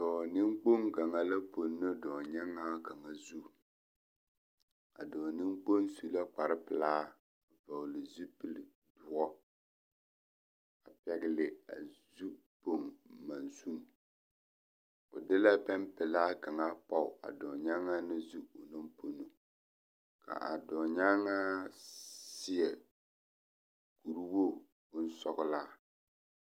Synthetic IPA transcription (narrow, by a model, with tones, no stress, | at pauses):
dɔː˨nɪ˦mk͡po˦ŋɡa˨ŋa˨la˦po˨nːɨ˦dɔː˨ɲa˦ŋːa˦ɡa˨ŋa˨zu˦ | a̰˨dɔː˨nɪ˦mk͡po˦nsu˦la˦k͡pa˨ɾɪ˦pɨ˨laː˦˨ | va˨wʊ˨lɪ˨zu˦pɨ˦l | dʊ˨˦ɔ˦ | a˨pɛ˨ɡɪ˨lɪ˨a̰˨zu˦ | po˦ŋma˨nsu˦ŋ | ʊ̰˨dɪ˦la˦bɛ˦mpɪ˨laː˦ka˨ŋa˦pa˦˨a̰˨dɔ˨ɲa˦ŋa˦nɪ˦zu˦ʊ˨no˦mpo˨nu˨ | kʰa̰˨ʔa̰˨dɔ˨ɲa˦ŋa˦ | sɪ˦ɛ˨ | ku˨ɾu˦wo˦˨ | bʊ˦n̩˦sɔ˦ɡʊ˦laː˦